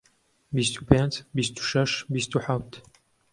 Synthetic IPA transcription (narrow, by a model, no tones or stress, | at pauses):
bist̪ʰupʰent͡sbist̪ʰu̥ʃɐʃbist̪ʰuħaft̪ʰ